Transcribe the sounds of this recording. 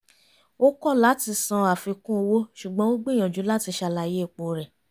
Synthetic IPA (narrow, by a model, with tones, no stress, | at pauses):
o˦kɔ˦˨la˨˦ti˧sã˧a˨fi˧kũ˦o˧wo˦ʃu˨ɡ͡bɔ̃˦wo˦ɡ͡bi˦˨j̃ã˨d͡ʒu˨˦la˦ti˧ʃa˧la˧˨je˨˦i˦˨k͡po˨ɾɛ˨